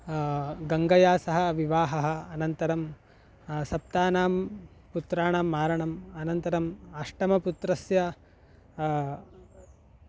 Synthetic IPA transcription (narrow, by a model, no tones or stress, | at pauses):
ɡɐŋɡɐjaːsɐɦɐʋiʋaːɦɐɦɐ̆ɐnɐnt̪ɐɾɐm | sɐp̚t̪aːnaːm | put̪ɾaːɳaːmːaːɾɐɳɐmɐnɐnt̪ɐɾɐmɐʂʈɐmɐput̪ɾɐsjɐ